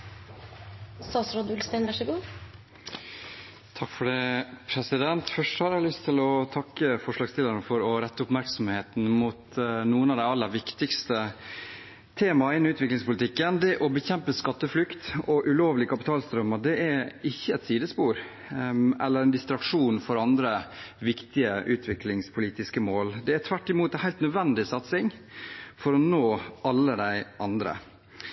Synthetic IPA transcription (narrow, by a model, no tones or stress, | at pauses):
sɑːsɾɔd̪ʉlst̪æɪnʋæʂɪɡuː | t̪ʰɑkfɔɖɛpʰɾɛsɪd̪ɛnt̪fœʂɔhɑɾlʏst̪ʰɪlɔt̪ʰɑkːəfɔʂɭɑːɡst̪ɪlːəɾnəfɔɾɔɾɛt̪ːəʊpmæɾksɔmheːt̪n̩mʊt̪nuːənɑʋd̪æɪɑlːəɾʋɪkt̪ɪkst̪ə | t̪ʰeːmɑɪnːɪʉːt̪ʰʋɪklɪŋspʰʊlɪt̪ʰɪkːənd̪ɛʔɔbəçɛmpəskɑt̪ːəflʏkt̪ɔʔʉloːʋlɪkʰɑpɪt̪ʰɑːlst̪ɾœməd̪ɛʔæɪçːəɛt̪siːd̪əspuːɾ | ʔɛ̰lːəɾɛnd̪ɪst̪ɾɑkʂuːnfɔɾɑnd̪ɾəʋɪkt̪ɪəʔʉːt̪ʰʋɪklɪŋspʰʊliːt̪ɪskəmoːld̪ɛæt̪ʰʋæʈːɪmuːt̪ɛnhæɪlt̪nœd̪ʋɛnd̪ɪsɑt̪sɪŋfɔɾɔnoːʔɑlːəd̪æɪʔɑnd̪ɾə̰